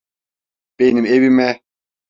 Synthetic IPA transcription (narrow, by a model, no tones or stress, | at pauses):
benimeβimɛ